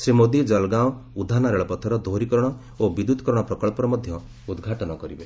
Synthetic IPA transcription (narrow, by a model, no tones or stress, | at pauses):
sɾimod̪id͡ʒɔlɡawud̪ʱanaɾeɭɔpɔt̪ʰɔɾɔd̪ʱoɾikɔɾɔɽ̃ɔ | obid̪ut̪ɔ̥kɔɾɔɽ̃ɔpɾɔkɔɭpɔɾɔmɔd̪ʱjɔ | ud̪ɡʱaʈɔnɔkɔɾibe